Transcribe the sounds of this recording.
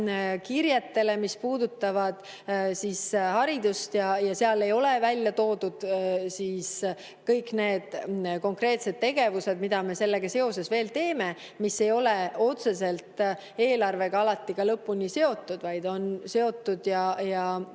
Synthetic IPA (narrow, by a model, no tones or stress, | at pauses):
kiɾjet̪ːe̞le̞mispuːd̪ut̪ːˑɑvɑd̪̥ | sishɑɾid̪̥ust̪jɑjɑse̞ɑle̞jo̞le̞vælʲjɑt̪o̞ːd̪̥ud̪̥siːs | kɤjkne̞ːd̪̥ko̞ŋkre̞ːt̪se̞d̪̚t̪ːe̞ɡ̥e̞vuse̞d̪̚mid̪ɑme̞se̞lːe̞ɡ̥ɑse̞o̞se̞sve̞ːlt̪e̞ːme̞ | mise̞jo̞leo̞t̪se̞se̞lt̪ˑ | e̞ːlɑrve̞ɡɑɑlɑt̪ːˑikɑlɤpːunise̞o̞t̪ːˑud̪̥vɑjd̪̥o̞nse̞o̞t̪ːˑud̪̥jɑjɑ